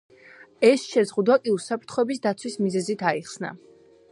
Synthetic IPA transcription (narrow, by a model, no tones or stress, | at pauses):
ɛsʃɛzʁud̪wakʼiusapʰɾt̪ʰχɔɛbis̬d̪at̪sʰwismizɛzit̪ʰaiχsna̰